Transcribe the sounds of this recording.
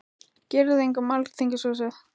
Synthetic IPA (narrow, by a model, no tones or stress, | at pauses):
cɛːɾɪðɪejŋkʏmalt̪ʰejɲcɪsɔsɛθ